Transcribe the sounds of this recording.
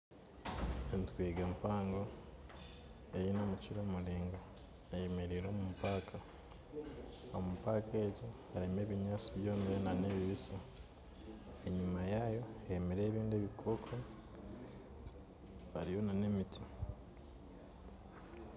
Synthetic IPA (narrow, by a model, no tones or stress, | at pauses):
entu̥kwiːɡampaːŋɡo | ejinomuciɾoːmuliːŋɡa | ejemeɾiɾo̞ːmumupaːkʰa | omupaːkʰe̞ːɟohaɾime̞ːβiɲaːt͡siβjo̞ːmijonane̞βiβisa | eɲumajajo̞emeɾe̞ːβiːndeβikʰoːkʰo | aɾijo̞nane̞mitʰi